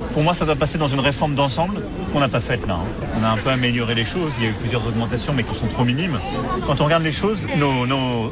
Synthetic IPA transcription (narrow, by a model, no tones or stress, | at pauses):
puʁmwasad̪wapased̪ɑ̃zynʁefɔʁmd̪ɑ̃sɑ̃bl | kɔ̃napafɛt̪la̰ɛ̰̃ | ɔ̃naɛ̃pøameljɔʁeleʃoziljayplyzjœʁzɔɡmɑ̃t̪asjɔ̃mɛkʲisɔ̃t̪χominim | kɑ̃t̪ɔ̃ʁəɡaʁd̪leʃoznono